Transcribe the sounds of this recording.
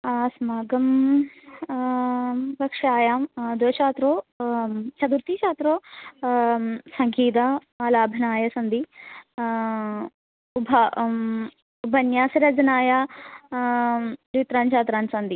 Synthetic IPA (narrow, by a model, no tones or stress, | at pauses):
smaːɡɐm | bɐkʂaːjaːmd̪ojʃaːt̪ɾoː | t͡ʃʰɐd̪uɾt̪iːt͡ʃaːt̪ɾoː | sɐŋɡʱiːd̪ɐ | ɐlaːbʱɐnaːjɐsɐnd̪i | ubʱɐ | ubʱɐnjaːsiɾɐd͡ʒɐnaːja | ɾit̪ɾaːnt͡ʃʰaːt̪ɾaːnsɐnd̪i